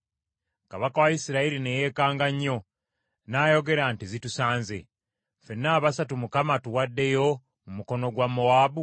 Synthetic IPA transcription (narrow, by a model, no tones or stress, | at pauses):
kaβakawajisiɾaiɾine̞je̞ːkaːŋɡaɲːo̞ | naːjo̞ɡe̞ɾantizitusaːnzḛ | fe̞nːaːβasatumukamatuwadːe̞jo̞ | mumuko̞no̞ɡwamoaːbu